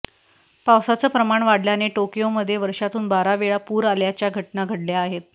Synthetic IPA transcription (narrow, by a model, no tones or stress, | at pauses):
pawsat͡səːpɾəmaɳʋaɽljaneʈokijoməd̪ʱːjeʋəɾʂat̪uːnbaɾaʋeɭapuːɾaljat͡ɕjaɡʱəʈnaɡʱəɽljaːɦet̪̚